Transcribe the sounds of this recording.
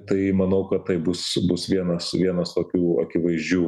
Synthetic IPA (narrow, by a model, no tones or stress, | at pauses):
t̪ɐɪmɐnɐʊkɐt̪t̪ɐɪbʊsbʊsʋʲiɛnɐsʋʲiɛnɐst̪oːkʲuːɐ̰kʲɪʋɐɪzʲd͡ʒʲuː